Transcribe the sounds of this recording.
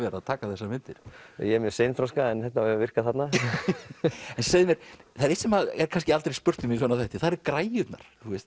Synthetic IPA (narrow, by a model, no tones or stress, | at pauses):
ɛɾaðt̪ʰaːkaθɛsːamɪnt̪ɪɾ̥̰jɛɛɾmjœsejnfɾɔskaɛnθɛht̪naɛvɪr̥kaθat̪na | ɛnsejðɪmjɛɾθaðɾɪt̪sɛmaðɛ̰ɾkʰanscɪalt̪ɾejspʏr̥t̪ʏmisvɔnaθɛht̪ɪθaðɾɛɾkɾaːjʏt̪na̰ɾ̥θuɛst̪